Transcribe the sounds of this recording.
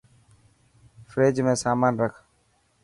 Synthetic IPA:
fɾeːd͡ʒmẽːsaːmaːnɾəkʰ

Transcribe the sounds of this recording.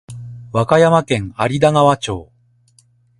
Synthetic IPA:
βakajamakẽ̞ŋaɾʲid̪aŋaβat͡ɕo̞̰ː

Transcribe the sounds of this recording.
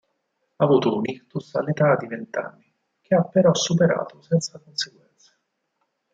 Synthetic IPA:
aːvuːt̪ounikt̪usanet̪ad̪ːivent̪a̰nːi | k̟eapːeɾɔsːupeɾa̰ːt̪osɛnt̪sakonseɡwɛnt̪se̥

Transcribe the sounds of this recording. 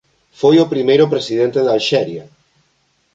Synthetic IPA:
fojopɾimejɾʊpɾesiðent̪eðalʃɛɾja

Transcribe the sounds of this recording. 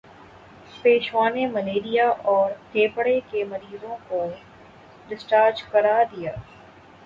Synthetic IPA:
peːʃwaːnemɐleːɾijaʔɔːɾt̪ʰeːpəɽekemɐɾiːzõko | ɖɪsʈaːɾd͡ʒkɐɾad̪ijaː

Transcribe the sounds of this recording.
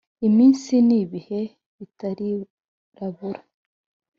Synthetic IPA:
imiːnsiniβihe̞ | βitaɾi | ɾaβuɾḁ

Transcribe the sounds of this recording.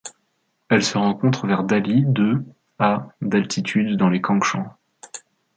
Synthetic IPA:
ɛlsəʁɑ̃kɔ̃t̪χəvɛʁd̪alid̪ø | ad̪alt̪ʰit̪ʰyd̪ːɑ̃lekʰɑ̃kʃɑ̃

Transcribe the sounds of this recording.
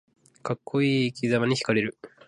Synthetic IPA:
kakʰːo̞iːkʲʰizamaɲ̟içi̥kaɾe̞ɾɯ̟

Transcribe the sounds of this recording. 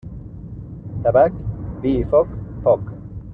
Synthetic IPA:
t̪abakbifɔkfɔk

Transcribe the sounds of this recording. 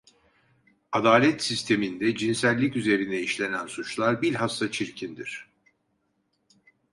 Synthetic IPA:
ad̪aːlʲɛt̪sist̪ʰe̞mind̪ɛd͡ʒinsælʲːicyze̞ɾind̪ɛiʃlʲe̞nænsut͡ʃlˠaɾbilʲɦast̪at͡ʃʰiɾcʰind̪iɾ̥

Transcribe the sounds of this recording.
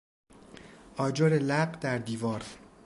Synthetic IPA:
ʔɒːd͡ʒoɾelæɢd̪̥æɾd̪iːvɒːɾ

